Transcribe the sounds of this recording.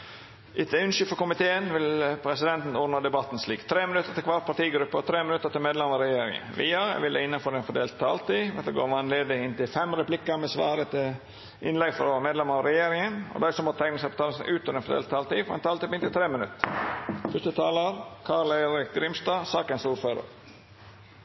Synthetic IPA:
ʔɪt̪ʰʉnʃʏfɔkʊmɪt̪ʰeːənʋɪlpʰɾɛsɪd̪ɛnt̪n̩ɔnəd̪ɛbɑt̪ːn̩sliːkt̪ʰɾeːmɪnʉt̪ːəɾt̪ɪlkʰʋɑːɾpʰɑʈ̪iːɡɾʉpːəɔt̪ʰɾeːmɪnʉt̪ːəɾt̪ɪlmeːd̪lɛmɑɾɛjeːɾɪ̰ŋə̰nʋḭːɑæ̰ʋɪld̪ɛɪnːɑnfɔɾɛnfɔɖ̪eːlt̪ʰːɑːlt̪iːʋɛt̪ɛɡo̰ːɾʋɑnleːd̪əɪnt̪ɪlfɛmɾɛplɪkːəmɛsʋɑːɾət̪ʰɪl | ʔɪnlɛɡfɾɔmeːd̪lɛməɾɑɾɛjeːɾɪŋənɔ̰d̪æɪsɔmɔt̪ʰɛɪɡnəsɛpɔt̪ɑːləsʔʉːt̪ɔɾɛnfɔd̪ḛːlt̪ʰːɑːlt̪iːfɔɾɛ̰nt̪ɑlt̪iːpɪnt̪ɪlt̪ʰɾeːmɪnʉ̰t̪ː | fʉst̪ət̪ʰɑːləɾkʰɑːɾleɪɾɪk̚ɡɾɪmst̪ɑːsɑːkənsuːɾføːɾə̰ɾ

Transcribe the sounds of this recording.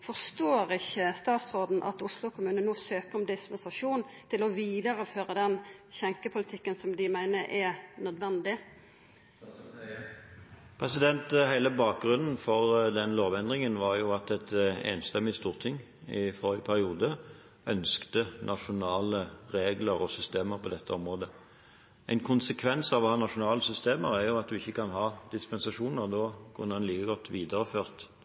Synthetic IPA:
fɔʁst̪oːɾɪçəst̪ɑːt̪sʁoːd̪n̩ʔɑ̰t̪ʊslʊkʰʊmʉːnənoːsøːpəʁɔmd̪ɪspɛnsɑʂuːnt̪ʰɪlɔʋiːd̪ɑɾəføːɾəd̪ɛnçɛŋkəpʰʊlɪt̪ʰɪkːənsɔmd̪ɪmæɪnəʔɛnœd̪ʋɛnd̪ɪ | pʰʁɛsɪd̪ɛnt̪hæɪləbɑːk̚ɡʁʉnn̩fɔʁd̪ɛnloːʋɛnd̪ʁɪŋənʋɑʁjʊɑt̪ɛt̪ḛːnst̪ɛmːɪst̪uːʁt̪ʰɪŋː | ɪfɔʁɪəpʰæʁɪuːd̪ə | œnskt̪ənʔɑʃʊnɑːləʁeːɡləɾɔsʏst̪eːməʁpʰɔd̪ɛt̪ʰːəɔmʁoːd̪ə | ʔæɪnkʰʊnsəkʰʋɛnsɑʋɔhɑːnɑʂʊnɑːləsʏst̪eːməɾæʁjʊɑt̪̚d̪ʉɪçːəkɑnhɑːd̪̥ɪspɛnsɑʂuːnəʁd̪oːkʰʉnːəd̪ɛnliːkəɡɔt̪ʰːʋiːd̪əʁəføːʁt̪

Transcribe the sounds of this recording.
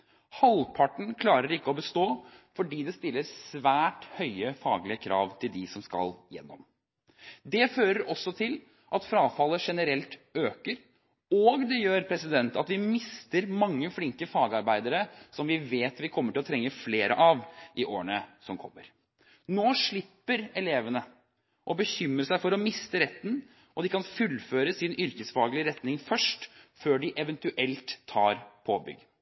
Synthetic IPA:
hɑlpʰɑʈɳ̩kʰlɑːɾəɾɪkːəɔbəst̪oːfɔɖiːd̪ɛst̪ɪlːəɾsʋæːʈhœʏəfɑːɡlɪəkʰɾɑ̰ːʋt̪ʰɪld̪ɪsɔmskɑ̰ljɛ̰nːɔm | d̪ɛføːɾəɾɔsːɔt̪ʰɪl | ʔɑt̪fɾɑːfɑlːəʂɛnəɾɛlt̪øːkəɾ | ɔɡd̪ɛjøːɾpʰɾɛsɪd̪ɛnt̪ɑt̪ʋɪmɪst̪əɾmɑŋːəflɪŋkəfɑːɡɑɾbæɪd̪əɾəsɔmʋɪʋeːt̪ʋɪkʰɔmːəʈʰɪlɔt̪ʰɾɛŋːəfleːɾə̰ʔɑʋʔɪʔo̰ːɾənəsɔmkʰɔ̰mːəɾ | noːʂɭɪpːəɾɛleːʋənə | ʔɔbəçʏmːɾəsæɪfɔɾɔmɪst̪əɾɛt̪ːən̩ | ʔɔd̪ɪkʰɑnfʉlføːɾəsɪnʏɾkəsfɑːɡlɪəɾɛt̪nɪŋfœʂʈføːɖɪʔɛʋənt̪ʉʔɛlt̪ʰːɑ̰ːɾpʰobʏ̰ɡ

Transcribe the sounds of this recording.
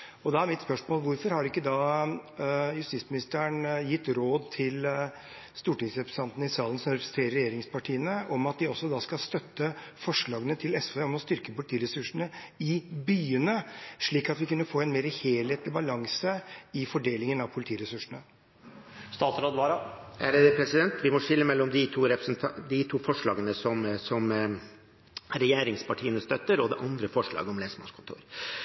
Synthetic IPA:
ɔd̪ɛæɾmɪt̪spœʂmoːlʋʊɾfɔɾhɑɾɪkːəd̪ɑː | jʉst̪ɪt̪smɪnɪst̪əɳjɪt̪ːɾoːd̪t̪ʰɪl | st̪uːʈɪŋsɾɛpɾə̥sɑnt̪nəɪsɑːlənsɔmɾɛpɾəst̪ʰɾeːɾəɾɛjeːɾɪŋspʰɑʈʰiːənəʔɔmɑt̪̚d̪ɪɔsːɔd̪ɑːskɑst̪œt̪ːəfɔʂɭɑːɡənət̪ʰɪlɛsfeːɔmɔst̪ʏɾkəpʊlɪt̪ʰiːɾɛsʉʂɳ̩əɪbyːənəʂɭiːkɑt̪ʋɪkʉnːəfoːɛnmeːɾəheːlheːt̪lɪbɑlɑŋsəɪfɔɖeːlɪŋənɑʋpʰʊlɪt̪ʰiːɾɛsʉʂəɳə | st̪ɑːt̪sɾoːd̪ʋɑːɾɑæɾpʰɾɛsɪd̪ɛnt̪ʋɪmɔʂɪlːəmɛlːɔmd̪ɪt̪ʰuːɾɛpɾəsnt̪ʰd̪ɪt̪ʰuːfɔʂɭɑːɡənəsɔmsɔm | ɾɛjeːɾɪŋspɑʈʰiːənəst̪œt̪ːəɾɔd̪ɛʔɑnd̪ɾəfɔʂɭɑ̰ːɡəɔmleːsəmɑ̰kʰʊnt̪ʰṵːɾ

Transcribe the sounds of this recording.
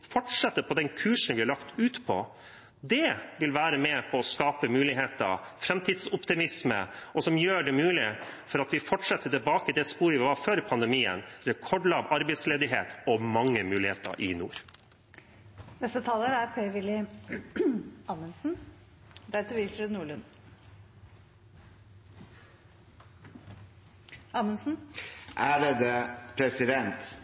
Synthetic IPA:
fɔʈʂɛt̪ːəpʰɔd̪ɛnkʰʉːʂn̩ʋɪhɑɭɑkt̪ʉːt̪pʰɔ̰ | d̪ɛʋɪlʋæːɾəmɛpʰɔːskɑːpəmʉːlɪɦeːt̪ə̰fɾɛmt̪ʰɪːd̪sʊpt̪ɪmɪsmə̰ʔɔsɔmjøːɖɛmʉːlɪfɔɾɑt̪ʋɪfɔʈʂɛt̪ːət̪ɪlbɑːkəd̪ɛspuːɾəʋɪʋɑføːɾpʰɑnd̪əmiːə̰nɾɛkʰɔɖlɑːʋɑɾbəɪsleːd̪ɪɦḛːt̪ɔmɑŋːəmʉːlɪheːt̪ə̰ʔɪnṵːɾ | nɛst̪ət̪ʰɑːləɾæɾpʰɾœʏʋɪlɪ | ɑmənsn̩ | d̪æt̪əɾʋɪlfɾeːd̪nuːɭən | ɑːmənsn̩ʔæɖɛd̪epʰɾɛsɪd̪ɛnt̪

